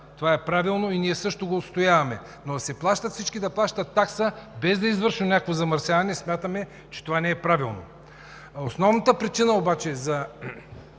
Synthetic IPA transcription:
t̪ovaɛpɾavilˠnoiniɛsɤʃt̪oɡoːt̪st̪ojavɐmɛ | nosɛplˠaʃt̪ɐt̪fsit͡ʃkid̪ɐplˠaʃt̪ɐt̪ːaksəbɛzd̪ɐizvəɾʃnʊnʲjakvozɐmɐɾsʲjavɐnɛsmʲjat̪əmɛ | t͡ʃɛ̥t̪ovanɛɛpɾavilˠno̰ | osnɔvnɐt̪əpɾit͡ʃinəobat͡ʃɛzɐ

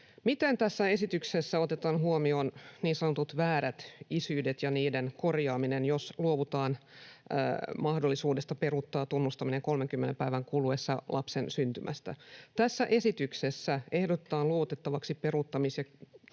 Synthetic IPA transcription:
mit̪ent̪æsːæe̞sit̪yksesːæo̞t̪et̪ɑːnɦuomioːnniːnsɑnot̪ut̪ʋæːɾæt̪isyːdet̪jɑniːdenko̞rjɑːminenjosluoʋut̪ɑːn̰ː | mɑhdolːisuːdest̪ɑperut̪ːɑːt̪unːust̪ɑmineŋkolmeŋkymːenempæiʋæŋkuluesːɑlʔɑpsensynt̪ymʔæ̰st̪æ̰t̪æsːæʔe̞sit̪yksesːæe̞hdot̪ːɑːnluoʋut̪et̪ːɑʋɑksiperut̪ːɑmisjɑ

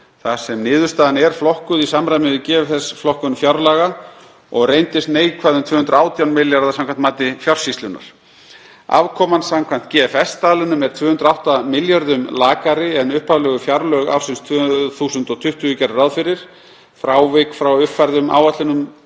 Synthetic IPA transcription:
θḁsɛmnɪːðʏ̥ɾst̪aːðanɛɾ̥flɔhkʏðisamɾajmɪðɪcɛːvɪθɛsflɔhkʏnfjaɾlaɣa | ɔɣrejnt̪ɪst̪neːjkʰvaːðʏmt̪ʰvʏːhʏnt̪ɾaːwt̪jawnmɪljaɾðasãmkʰvant̪maːt̪ɪfjar̥sist̪lʏnːa̰ɾ̥ | a̰vkʰɔːmansamkʰvan̥t̪cɛfɛst̪aːlʏnʏmɛɾ̥t̪ʰvœːhʏnt̪ɾawht̪amɪljaɾðʏmlaːkaɾɪɛnʏhpaðlɛːɣʏfjaɾlœɣa̰wsɪnst̪ʰvœθuːsʏnt̪ɔɣt̪ʰʏht̪ʏʏcaɾraðfɪɾɪɾ̥ | fɾaːwvɪkfɾawʏpfajɾðʏma̰ːwat̪lɪnʏm

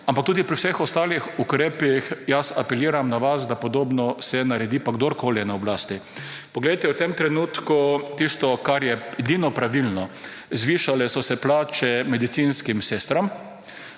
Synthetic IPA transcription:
ampak̚t̪uːd̪ipɾiwsexɔst̪aːlixukɾeːpixjasapɛliːɾamnaʋasd̪apɔd̪oːbnɔsɛnaɾɛd̪iːpaɡd̪oɾkoːlijɛnaɔblaːst̪ipɔɡlejt̪ɛwt̪emt̪ɾɛnuːt̪kut̪ist̪ɔkaɾjɛɛd̪inɔpɾaʋilnɔ | zʋiːʃalɛsɔsɛplaːt͡ʃɛmɛd̪it̪sinskimsest̪ɾɔm

